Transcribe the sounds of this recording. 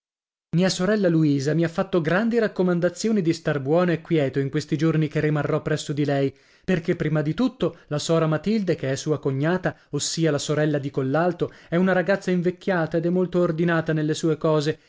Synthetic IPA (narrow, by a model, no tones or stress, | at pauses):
miːasoɾɛlːaluiːzamiafːat̪ːoɡɾand̪iɾakːomand̪at̪sːjoːnid̪ist̪arbwɔːnoekːwjɛːt̪oiŋkwest̪id͡ʒornikerːimarːɔpːɾɛsːod̪ilɛj | perkepːɾiːmad̪it̪ut̪ːolasɔːɾamat̪ild̪ekeɛsːuːakoɲːaːt̪aosːiːalasoɾɛlːad̪ikolːalt̪oɛunaɾaɡat̪sːaiɱvekʲːjaːt̪aed̪ɛmːolt̪oːrd̪inaːt̪anelːesuːekɔːze